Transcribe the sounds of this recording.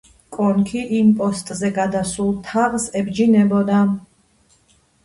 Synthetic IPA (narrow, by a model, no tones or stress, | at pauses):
kʼɔnkʰiʔimpʼɔst̪ʼzɛɡad̪asulˠt̪ʰaʁsɛbd͡ʒinɛbɔd̪a